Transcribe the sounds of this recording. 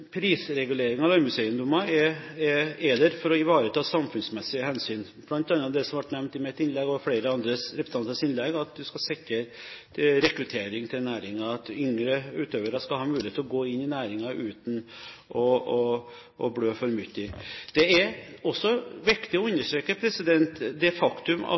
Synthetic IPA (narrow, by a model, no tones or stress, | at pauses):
pʰɾiːsɾɛɡʉleːɾɪŋɑʋlɑmʉseːənd̪ʊmɑɛɛɛd̪ɛɾfɔɾɔɪʋɑːɾət̪ʰɑːsɑmfʉnsmɛsːɪəhɛnsyːn | b̥lɑnt̪ɑnːəd̪ɛsɔmʋɑʈnɛmnt̪ɪmɛt̪ɪnlɛɡɔfɽeːɾəɑnd̪ɾəɾɛpɾsɑnt̪ɑnəsɪnlɛɡɑt̪̚d̪ʉskɑsɛkːəɾt̪ʰɪɾɛkɾʉt̪ʰeːɾɪŋt̪ʰɪlnæːɾɪŋɑɑt̪ʏŋɾəʉːt̪øːʋəɾɑskɑlɦɑːmʉːɪeːt̪ːlɔɡoːɪnːɪnæːɾɪŋɑʔʉːt̪nʔɔɔ | ʔɔ̰bɽøːfɔɾmʏt̪ːɪd̪̥ɛɛɾɔsːɔʋɪkt̪ɪɔʉnːəʂʈɾeːkəpʰɾɛsɪd̪ɛnt̪d̪ɛfɑkt̪ʉmɑ̰